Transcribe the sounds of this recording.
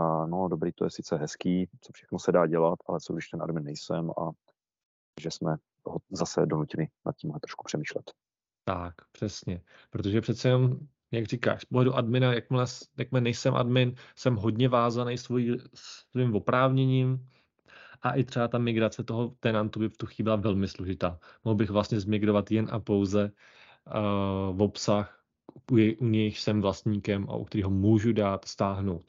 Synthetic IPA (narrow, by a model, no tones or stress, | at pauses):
nodobɾiːt̪ojɛsɪt͡sɛɦɛskiːt͡sofʃɛxnosɛdaːɟɛlat̪ʔalɛsowɡdɪʃt̪ɛnʔa̰dmɪnːɛjsɛma̰ | ʒɛsmɛ | ɦozasɛdonucɪnɪna̰t̪̚ciːmlɛt̪ɾo̥ʃku̥pr̝̥ɛmiːʃlɛt̪ | t̪akpr̝̥ɛsɲɛ | pɾot̪oʒɛprɛt̪t͡sɛjɛno̞m | jaɡriːka̰ːʃspoɦlɛduʔadmɪnajak̚mlɛsjak̚mɪlɛnɛjsɛmʔa̰dmɪnsɛmɦo̞dɲɛvaːzanɛjsvojisvimvo̞pɾaːvɲɛɲiːm | ʔaʔɪt̪r̝̥ɛbat̪amɪɡɾat͡sɛt̪o̞ɦot̪ɛnant̪ubɪft̪uxiːbɪlavɛlmɪsloʒɪt̪aːmoɦlbɪɣvlast̪ɲɛzmɪɡɾovat̪jɛnʔa̰po̞wzɛ | vo̞psax | ujɛjʔuɲɛjʃsɛmvlast̪ɲiːkɛmʔa̰ʔukt̪ɛɾiːɦomuːʒudaːt̪st̪aːɦno̞wt̪